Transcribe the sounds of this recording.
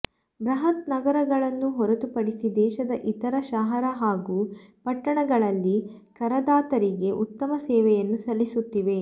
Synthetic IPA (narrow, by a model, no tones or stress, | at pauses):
bɾɐɦɐt̪̚nɐɡɐɾɐɡɐɭɐnːuɦɔɾɐt̪upɐɽisid̪ɛːʃɐd̪ɐʔit̪ɐɾɐʃaːɦɐɾɐɦaːɡupɐʈːɐɳɐɡɐɭɐlːi | kɐɾɐd̪aːt̪ɐɾiɡe̞ʔut̪ːɐmɐsɛːʋɛjɐnːusɐlːisut̪ːiʋe̞